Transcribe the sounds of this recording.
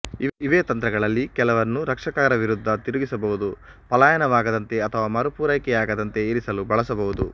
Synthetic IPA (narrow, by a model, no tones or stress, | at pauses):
iʋeːt̪ɐnt̪ɾɐɡɐɭɐlːikɛlɐʋɐnːuɾɐkʂɐkaːɾɐʋiɾud̪ʱːɐt̪iɾuɡisɐbɐɦud̪u | pɐlaːjɐnɐʋaːɡɐd̪ɐnt̪e̞ɐt̪ʰɐʋaːmɐɾupuːɾɐjkɛjaːɡɐd̪ɐnt̪e̞iɾisɐlubɐɭɐsɐbɐɦud̪u